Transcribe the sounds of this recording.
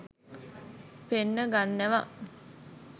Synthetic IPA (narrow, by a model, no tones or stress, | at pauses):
penːəɡanːeʋa̰ʔ